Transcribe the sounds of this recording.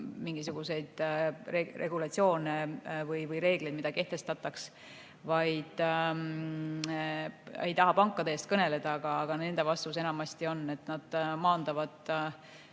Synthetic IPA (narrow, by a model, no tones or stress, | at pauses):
miŋɡisuɡ̥use̞jd̪̥erʔe̞ɡulɑt̪sio̞ːnevɤjvɯjɾe̞ːɡ̥lejd̪̥̚mid̪̥ɑke̞ht̪e̞st̪ɑt̪ːˑɑks | vɑjd̪̥ | e̞̰jt̪ɑɦɑpɑŋkːˑɑd̪eeːst̪̚kɤne̞le̞d̪̥ɑɑɡ̥ɑːɡ̥ɑne̞nd̪̥e̞vɑst̪us̬e̞nɑmɑsʲt̪io̞nːe̞t̪ːˑnɑd̪̥mɑːnd̪̥ɑvɑd̪̥